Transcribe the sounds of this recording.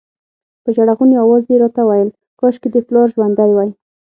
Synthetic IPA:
pəʒaɽaɣuneawɑzd̪eɾɑt̪awajəl | kɑʃked̪əplɑɾʒwand̪ajwaj

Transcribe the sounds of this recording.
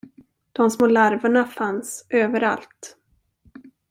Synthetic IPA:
d̪̥ɔmsmoːlaɾvaɳafansʔøːvəɾa̰lt̪

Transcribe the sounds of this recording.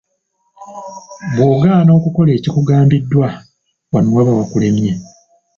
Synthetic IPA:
βwoːɡaːno̞ːkuko̞le̞ːcikuɡaːmbidːwa | wanuwaβawakule̞mje̞

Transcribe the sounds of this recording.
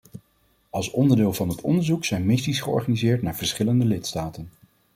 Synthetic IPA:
ʔɑlˠsɔndəɹdɪːlˠvɑnɦətʰɔ̰ndəɹzuksɛjnmɪstisχəɔ̰ɹχaːnizɪːɹtnaːɹv̥əɹsχɪləndəlɪtstaːtən

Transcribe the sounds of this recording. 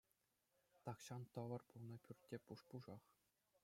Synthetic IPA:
t̪ɑkɕɑnt̪ɤ̆ʋɤ̆rpulˠnɤ̆pʲyrʲtʲːepuʂpuʐɑχ

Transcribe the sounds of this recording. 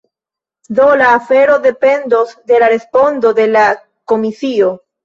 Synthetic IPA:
do̞laːfeɾo̞de̞pe̞nd̪o̞sd̪e̞laɾe̞spo̞nd̪o̞de̞la | ko̞misio

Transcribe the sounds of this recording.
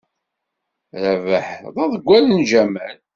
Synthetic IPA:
ɾævəħðˤɑðəɡʷːælənd͡ʒæmæl

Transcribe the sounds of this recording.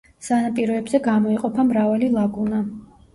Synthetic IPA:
sanapʼiɾɔɛbzɛɡamɔiqʼɔpʰamɾavalilˠaɡuna

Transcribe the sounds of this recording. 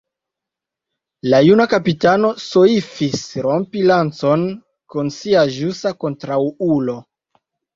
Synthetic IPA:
lajunakapitano̞soifisɾo̞mpilant͡so̞n | kunsiaʒusako̞ntɾawulo̞

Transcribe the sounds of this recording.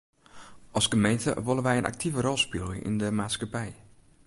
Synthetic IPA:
ʔɑlˠskəmejntə̰ʋolˠənʋɛjənʔa̰k̚tʰivərɔlˠspɪlˠə̰ʔɪ̰ndəmaːtskapɛj

